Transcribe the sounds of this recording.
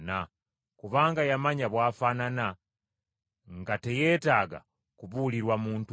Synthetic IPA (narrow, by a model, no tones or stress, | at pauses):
na | kuβaːŋɡajamaɲaβwaːfanana | ŋɡate̞je̞ːtaːɡa̰ | kuβuːliɾwamuːntu